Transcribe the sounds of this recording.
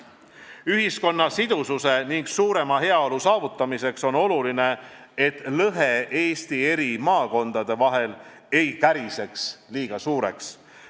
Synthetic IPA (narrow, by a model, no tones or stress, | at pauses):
yɦisko̞nːɑsid̪ususe̞niŋɡ̥suːɾe̞mɑɦe̞ɑo̞lusɑːvut̪ːˑɑmise̞kso̞no̞luline̞e̞t̪ːˑlɤɦe̞ʔe̞ːst̪ie̞ɾimɑːko̞nd̪̥ɑd̪̥e̞vɑɦe̞l | e̞jkæɾise̞ksliːɡ̥ɑsuːɾe̞̰ks